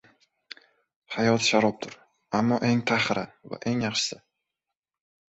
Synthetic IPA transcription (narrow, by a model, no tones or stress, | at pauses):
hajɒt̪ʃaɾɒp̚t̪ʰʊɾ | amːɒʔe̞ŋt̪ʰaχɾava̰ʔe̞ŋjɑχʃɪ̥sa